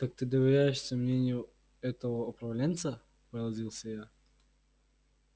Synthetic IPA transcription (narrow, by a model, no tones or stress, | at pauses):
t̪ak̚t̪ɨd̪əvʲɪɾʲæjɪʂsʲəmnʲenʲɪjʊ | ɛt̪əvəʊpɾɐvlʲent̪sə | pəlˠɐzʲilˠsʲəja